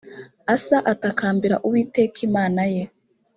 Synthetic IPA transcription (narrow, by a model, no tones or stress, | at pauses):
asaʔatakaːmbiɾa̰ʔuwiːtekʰimaːnaje̞